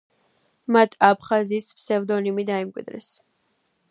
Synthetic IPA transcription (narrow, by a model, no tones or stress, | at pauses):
mat̪ʰapʰχazispʰsɛvd̪ɔnimid̪aimkʼwḭd̪ɾɛ̰s